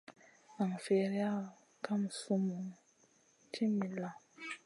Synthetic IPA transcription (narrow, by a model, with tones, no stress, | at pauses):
a˨ŋ̩˨fe˨ɾi˦a˦ | kʰa˦m̩˨su˦mu˨ŋ | tʰi˦mi˨la˨